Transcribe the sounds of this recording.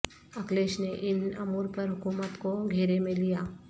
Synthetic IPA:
ɐkleːʃneʔɪnɐ̰muːɾpɐɾɦʊkuːmət̪koɡʱeːɾemẽlijaː

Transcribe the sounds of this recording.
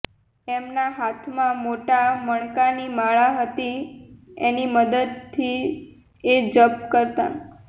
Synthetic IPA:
emnaɦat̪ʰmãmoʈaməɳkanimaɭaɦət̪i | eniməd̪əd̪̚t̪ʰːi | ed͡ʒəpkəɾt̪a̰

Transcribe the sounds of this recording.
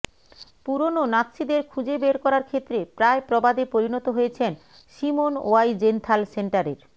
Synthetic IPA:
puɾononat̪ːʃid̪eɾkʰud͡ʑebeɾkɔɾaɾkʰet̪ːɾepɾaepɾɔbad̪epoɾinɔt̪oɦojet͡ɕʰen | ʃimono̰ajd͡ʑent̪ʰalseɳʈaɾeɾ

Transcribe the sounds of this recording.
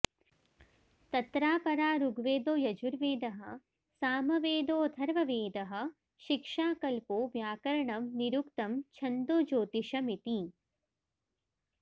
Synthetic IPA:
t̪ɐt̪ɾaːpɐɾaːɾuɡʋeːd̪oːjɐd͡ʒuɾʋeːd̪ɐɦɐ̆ | saːmɐʋeːd̪oːd̪ʰʱɐɾʋɐʋeːd̪ɐɦɐ̆ | ʃikʂaːkɐlpoːʋjaːkɐɾɐɳɐmniɾukt̪ɐmt͡ʃʰɐnd̪oːd͡ʒoːt̪iʂɐmit̪i

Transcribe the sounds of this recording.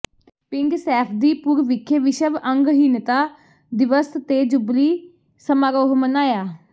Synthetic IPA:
pɪŋɡsɛːpʰd̪iːpuːɾʋɪkʰːəʋɪʃəʋəŋɡɦiːnt̪aː | d̪ɪʋəst̪eːd͡ʒʊbliː | səmaːɾoːɦmənaːjaː

